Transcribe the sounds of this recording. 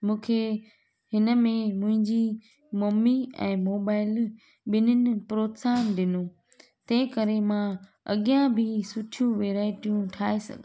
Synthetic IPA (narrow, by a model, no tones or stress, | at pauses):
mũːkʰe | ɦɪnə̆mẽmʊ̃ɦɪ̃ɲd͡ʑi | moːmiɛ̰̃ːmoːbaːɪl | ɓɪnʊnɪ̆pɾoːt̪saːnɗɪnũ | t̪ɐ̃ɦɪ̃kəɾemã | ɐ̰ɠijãbʱɪsʊʈʰijũʋeːɾaːɪʈijũʈʰaːesɐ̰ɡʱ